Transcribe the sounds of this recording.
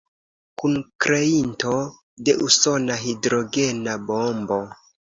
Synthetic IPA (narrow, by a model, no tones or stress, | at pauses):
kunkɾe̞into̞ | de̞ʔuso̞naɦidɾo̞ɡe̞nabombo̞